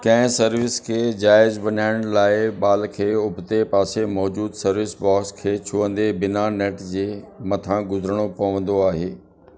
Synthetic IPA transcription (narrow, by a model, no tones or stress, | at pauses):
kɐ̃ɦɪ̃sɐɾʋɪskʰeːd͡ʑaːɪzbɐɲaːɪɽ̃laːɪɓaːlkʰeːʊbʱt̪epaːsemɔːd͡ʑuːd̪sɐɾʋɪsbɔːkskʰeːt͡ɕʰʊʋə̃nd̪ebɪnaneːʈd͡ʑeːmɐt̪ʰãɡʊzəɾəɽ̃opɐʋə̃nd̪oaːɦeː